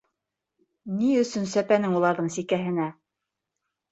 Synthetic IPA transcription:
niɵ̆sɵnsæpænɘŋulˠɑɾðɤɴsikæɦɘ̆næ

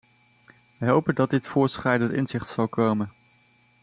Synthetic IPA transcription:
ʋəɦowpəndɑdɪtfʊːɹsχrɛjdəntɪ̰nzɪχtsɑlˠkʰowmən

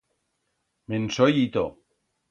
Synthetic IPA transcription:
mensojit̪o̰

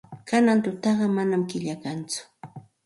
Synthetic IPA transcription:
kanant̪ʊt̪ɑɢɑmanamkɪʎakant͡sʊ̥

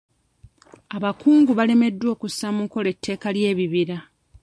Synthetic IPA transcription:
aβakuːŋɡuβale̞me̞dːwo̞ːkusːamuko̞le̞tʰːe̞ːkalje̞ːβiβiɾa

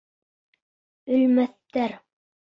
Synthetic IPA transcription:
ɵ̆lmæθt̪ːæɾ

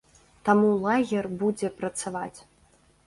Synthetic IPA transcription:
t̪amulˠaɣʲɛrbud͡zʲɛpɾɐt̪savat͡sʲ

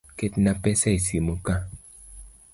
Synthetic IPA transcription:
ketnapɛsaisimoka

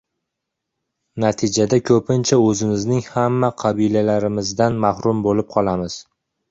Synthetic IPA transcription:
nat̪ʰɪd͡ʒad̪akʲʰɵpʰɪnt͡ʃʰaɵzɪmɪznɪŋhamːaqʰɑbilalaɾɪmɪzd̪anmahɾʊmbolɪp̚qʰɒlˠamɪz̥

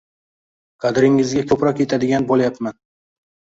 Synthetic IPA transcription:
qʰɑd̪ɾɪŋːɪzɡʲakʲʰɵpɾɒkʲe̞t̪ʰad̪ɪɡʲanbolajapman

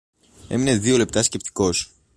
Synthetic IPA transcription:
e̞̰mine̞zðio̞le̞p̚t̪ɐsce̞p̚t̪i̥ko̞s

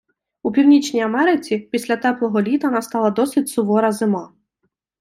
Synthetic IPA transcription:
upʲiwnʲit͡ʃnʲijɐmɛɾɪt͡sʲipʲisʲlʲɐt̪ɛplˠɔɦɔlʲit̪ɐnɐst̪ɑlˠɐd̪ɔsɪtʲsʊʋɔɾɐzɪmɑ

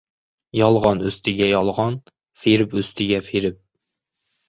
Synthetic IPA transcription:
jɑlˠʁɑnøst̪ʰɪɡʲɛjɑlˠʁɑn | feɾɪpøst̪ʰɪɡʲɛfeɾɪp̚

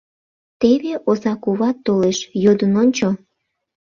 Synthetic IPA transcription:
t̪eβeʔozɑkuβɑt̪ːoleʃjod̪ənonʲt͡ɕo

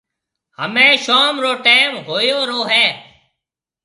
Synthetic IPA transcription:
həmẽːʃoːmɾoːʈeːmɦoːjoːɾoːɦɛː

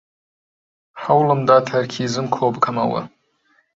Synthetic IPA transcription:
ħawlɨmdatʰarkʲʰizɨmkʰoːbkʰama̰wa̰

